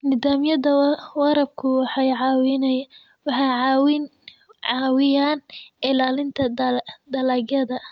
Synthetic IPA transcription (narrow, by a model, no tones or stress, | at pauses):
nɪðaːmjɐðɐwɑɾɐb̚kʰʊwɑħɑjʕɑːwɪn | wɑħɑʕwɪn | ʕɑːwɪjaːnɪlaːlɪnt̪ʰɐd̪ɐlɐɡjɐðɐ